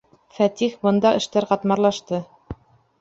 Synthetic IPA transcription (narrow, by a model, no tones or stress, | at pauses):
fæt̪ixbɤ̆nd̪ɑʔɘ̆ʃt̪æɾqɑt̪mɑɾlˠɑʃt̪ɤ